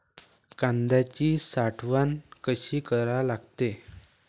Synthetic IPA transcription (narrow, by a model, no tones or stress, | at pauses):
kãnd̪at͡ɕisaʈʰʋankəɕiːkəɾalaɡt̪e